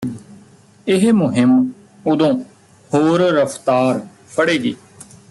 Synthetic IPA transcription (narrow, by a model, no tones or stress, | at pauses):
ɪɦmʊɦɪm | ʊd̪õː | hoːɾɾəpʰt̪aːɾ | pʰəɽeːɡḭː